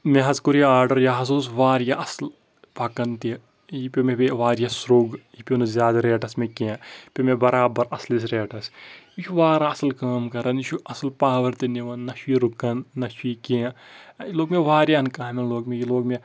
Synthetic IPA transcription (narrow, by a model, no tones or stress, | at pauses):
meɦɐzkuɾijaːɾɖɐɾjaɦɐs̬uːsʋaːɾjaɐsl | pɐkɐnt̪i | jipʲimebeʋaːɾjasɾoːɡ | ipʲinɐzʲjaːd̪aɾeːʈɐsmekẽpʲimebɐɾaːbɐɾɐslis̬ɾeːʈɐsit͡ʃʰuʋaːɾaɐslkaːmkɐɾɐniʃʰuʔɐslpaːʋɐɾt̪iniʋɐnːɐʃuiɾukɐnːɐʃikẽːiloːɡmeʋaːɾjankaːminloːɡmẽjiloːɡme